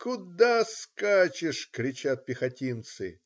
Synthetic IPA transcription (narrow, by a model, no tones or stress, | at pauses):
kʊd̪askat͡ɕɪʂkɾʲɪt͡ɕat̪̚pʲɪxɐtʲint̪sɨ̰